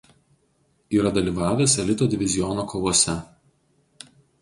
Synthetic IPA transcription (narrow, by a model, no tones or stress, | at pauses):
iːɾɐd̪ɐlʲiːʋɑːʋʲeːsɛlʲɪt̪oːd̪ʲɪʋʲɪzʲɪjɔnoːkoːʋoɔsʲɛ